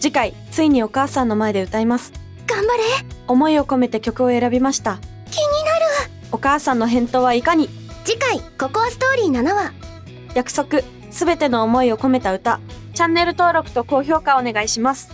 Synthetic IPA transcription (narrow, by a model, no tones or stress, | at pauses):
d͡ʑikai | t͡sɨiɲ̟io̞kaːsãnːo̞mae̞d̪e̞ɯ̟t̪aimasɨ̥ | ɡ̥ãmbaɾeo̞mo̞io̞ko̞me̞t̪e̞kʲo̞kɯ̟o̞e̞ɾabʲimaɕi̥t̪a | kʲiɲ̟inaɾɯ̟ | o̞kaːsãnːo̞ɦẽ̞nt̪o̞ːβaikaɲ̟i | d͡ʑikaiko̞ko̞sɨ̥t̪o̞ːɾʲiːnanaβa | jakɯ̟̥so̞kɯ̟ | sɨbe̞t̪e̞no̞ːmo̞io̞ko̞me̞t̪aɯ̟t̪a | t͡ɕãnːe̞ɾɯ̟t̪o̞ːɾo̞kɯ̥t̪o̞ko̞ːço̞ːkaone̞ɡaiɕimasɨ̥